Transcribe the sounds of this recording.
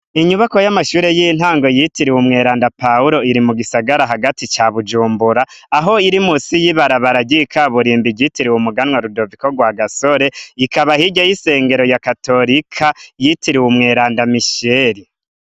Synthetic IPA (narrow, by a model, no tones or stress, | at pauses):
iɲuβako̞jamaʃuːɾe̞jin̥haːŋɡo̞jitiɾiwumŋe̞ːɾaːndapauɾo̞iɾimuɡisaɡaɾaɦaɡatit͡ʃaβud͡ʒuːmbuɾaːɦo̞iɾimuːsijiβaɾaβaɾaɟikʰaβuɾiːmbiɟitiɾiwumuɡanwaɾudo̞viko̞ɡwaɡaso̞ɾe̞ikaβahiɟajise̞ːŋɡe̞ɾojakato̞ɾikʰajitiɾiwumŋe̞ːɾaːndamiʃeɾi